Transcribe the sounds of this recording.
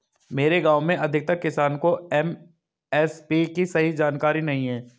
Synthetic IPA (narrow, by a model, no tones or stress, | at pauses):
meːɾeɡaːʊmẽʔɐd̪ʱɪk̚t̪ɐkːɪsaːnkoɛm | ɛspikisɐɦid͡ʒaːnkaːɾinɐɦĩɦɛ̃ː